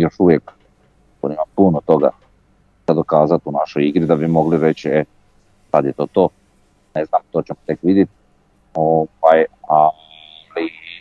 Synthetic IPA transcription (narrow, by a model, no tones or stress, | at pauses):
jo̞ʃuʋjek | ko̰nimapunot̪o̞ɡa̰ | ad̪okaːzat̪unaʃojiɡɾid̪abimo̞ɡliɾet͡ɕe | sad̪jet̪o̞ːt̪o̞ː | neznamt̪o̞ːt͡ɕemot̪ekʋid̪jet̪i | ovaja | li